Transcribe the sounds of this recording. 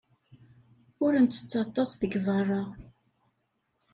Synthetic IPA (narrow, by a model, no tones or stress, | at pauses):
ʊɾənt̪ːə̥t͡sːɑt̪ˤːɑsðəɡvɑrˤːɑʁ